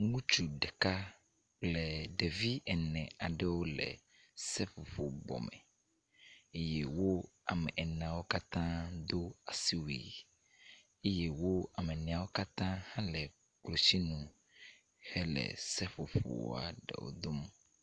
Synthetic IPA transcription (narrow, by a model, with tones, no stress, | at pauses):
ŋũ˦t͡ʃu˨ɖɛ˨ka˦ | k͡plɛ˨ɖɛ˨vi˦ɛ˨nɛ̃˨a˨ɖɛ˦wo˦lɛ̰˨ | sɛ˦fo˨fo˨bɔ̰˨mɛ̰˨ | e˦je˦wo˦a˨mɛ̃˨ʔɛ˨nã˨wo˦ka˦t̪ã˦d̪o˦a˨si˦wḭ˨ | e˦je˦wo˦a˨mɛ˨nɛ̃˨a˨wo˦ka˦t̪ã˦hã˦lɛ˨ | k͡plo˨si˦nũ˨ | hɛ˦lɛ̰˨sɛ˦fo˨ɸo̰˨w̰a̰˨ɖɛ̰˨wo̰˦d̪o˦m˦